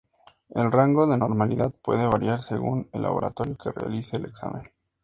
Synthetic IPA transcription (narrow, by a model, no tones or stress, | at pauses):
e̞lraŋɡo̞ðe̞no̞ɾmaliðaðpwe̞ðeβaɾjaɾse̞ɣune̞lːʔa̰βo̞ɾat̪o̞ɾjo̞ke̞rea̰liseːle̞ksa̰mʔẽ̞̰n